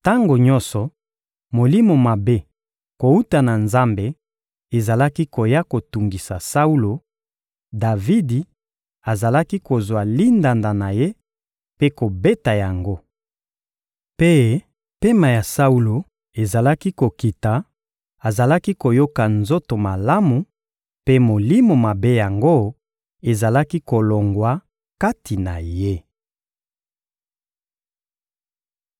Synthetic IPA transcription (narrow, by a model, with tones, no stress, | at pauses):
ta˦ŋɡo˨ɲɔ̃˦nsɔ˨ | mo˨li˦mo˨ma˨be˦ | ko˨u˦ta˨na˨nza˦mbe˨ | e˨za˨la˦ki˦ko˨ja˦ko˨tu˨ŋɡi˨sa˨sa˦u˦lo˨ | da˨vi˦di˨ | a˨za˨la˦ki˦ko˨zwa˨li˦nda˨nda˨na˨je˦ | pe˦ko˨be˦ta˨ja˨ŋɡo˦ | pe˦ | pe˦ma˨ja˨sa˦u˦lo˨ | e˨za˨la˦ki˦ko˨ki˨ta˨ | a˨za˨la˦ki˦ko˨jo˦ka˨nzo˦to˨ma˨la˦mu˨ | pe˦mo˨li˦mo˨ma˨be˦ja˨ŋɡo˦ | e˨za˨la˦ki˦ko˨lo˨ŋɡwa˨ | ka˦tʰi˨na˨je˦